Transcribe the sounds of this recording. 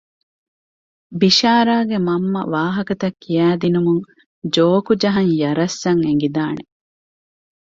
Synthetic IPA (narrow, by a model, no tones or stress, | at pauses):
biʃaːɾaːɡemɐmːɐ̰ʋaːɦɐkɐt̪ɐkːijæːd̪inumuŋ | d͡ʒoːkud͡ʒɐɦɐŋjɐɾɐsːɐŋeŋ̆ɡid̪aːne